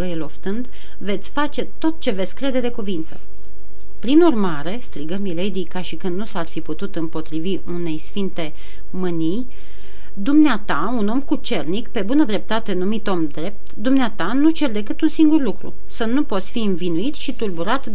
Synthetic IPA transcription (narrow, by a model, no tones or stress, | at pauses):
əjelo̞ft̪ɨnd̪ | ve̞t̪sʲfat͡ʃe̞t̪o̞t̪̚t͡ʃe̞ve̞t̪sʲkɾe̞d̪e̞d̪e̞kuvint̪sə̰ | pɾinurmaɾe̞st̪ɾiɡəmilejd̪ijkaʃikɨnd̪nusarfiput̪ut̪ɨmpo̞t̪ɾiviʔune̞jsfint̪e̞ | mɨnij | d̪umneat̪a | uno̞mkut͡ʃe̞rnikpe̞bunəd̪ɾe̞p̚t̪at̪e̞numit̪o̞md̪ɾe̞p̚t̪d̪umneat̪anut͡ʃe̞rd̪e̞k̬ɨt̪unsiŋɡurlukɾṵ | sənupo̞t̪sʲfiɨnvinuit̪ʃit̪urbuɾat̪